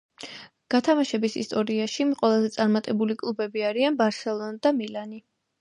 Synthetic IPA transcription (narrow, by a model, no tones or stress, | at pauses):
ɡ̥at̪ʰamaʃɛbisḭst̪ʼɔɾiaʃiqʼwɛlˠazɛt̪sʼaɾmat̪ʼɛbulikʼlˠubɛbiaɾianbaɾsɛlˠɔnd̪amilani